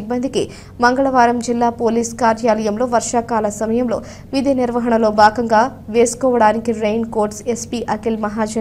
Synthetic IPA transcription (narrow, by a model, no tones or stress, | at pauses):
bːɐnd̪ʱiki | mɐŋɡɐɭɐʋaːɾɐmd͡ʒilːaːpoːliːskaːɾjaːlɐjɐmlo̞ːʋɐɾʂaːkaːlɐsɐmɐjɐmlo̞̰ː | ʋid̪iniɾʋɐɦɐɳɐlo̞ːbaːɡɐŋɡaːʋe̞ːsu̥kɔːʋɐɽaːnikiɾejnkoːɾʈsespiːʔɐkilmɐɦaːd͡ʒɐ